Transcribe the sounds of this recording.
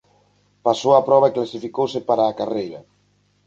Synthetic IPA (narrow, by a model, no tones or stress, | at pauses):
pasowapɾɔβ̞aeklasifikowsɪpaɾaːkarejɾɐ